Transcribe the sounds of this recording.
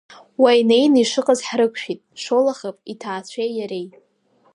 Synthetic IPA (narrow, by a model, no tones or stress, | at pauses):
wajnejniʂɨqʼazħrɨkʷʰʃᶣitʼʂolaχapʼitʰaːt͡ɕʷʰejjaɾej